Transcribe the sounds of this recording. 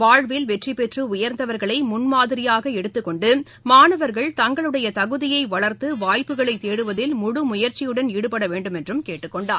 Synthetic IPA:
ʋaːɻʋɪlʋɛʈripɛʈrɯʊjɐɾnd̪ɐʋɐɾɣɐɭɐɪmʊnmaːðɪɾɪjaːɣɐɛɽɯt̪ːɯkːɔɳɖɯ | maːnɐʋɐɾɣɐɭt̪ɐŋɡɐɭɯɽɐjɐt̪ɐɣɯðɪjɐɪʋɐɭɐɾt̪ɯʋaːjpːɯɣɐɭɐɪt̪ːeːɽɯʋɐðɪlmʊɽɯmʊjɐɾt͡ʃɪjɯɽɐniɽɯpɐɽɐʋeːɳɖɯmɛndrɯmkeːʈːɯkːɔɳɖaːɾ

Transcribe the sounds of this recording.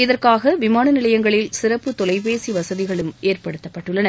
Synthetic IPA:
ɪðɐrkaːɣɐʋɪmaːnɐnɪlɐjɐŋɡɐɭɪlsɪrɐpːɯt̪ɔlɐɪp̬eːsiʋɐsɐðɪɣɐɭɯmeːrpɐɽɯt̪ːɐpːɐʈːɯɭːɐnɐ

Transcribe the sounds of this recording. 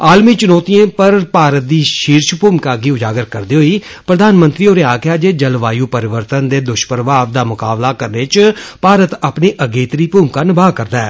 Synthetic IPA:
aːlmiːt͡ʃʊnɔːt̪iẽːpəɾpaːɾət̪̚d̪iːʃiːɾʃpuːmkaːɡiːʊd͡ʒaːɡəɾkəɾd̪iːɦoiː | pɾəd̪ʱaːnmənt̪ɾiːoːɾeaːkjaːd͡ʒeːd͡ʒəlʋaːjuːpəɾɪʋəɾt̪ənd̪eːd̪ʊʃpəɾʋaːʋd̪aːmʊkaːblaːkəɾneːt͡ʃpaːɾət̪apniːʔəɡeːt̪ɾiːpuːmkaːnɪbaːkəɾd̪aɛː

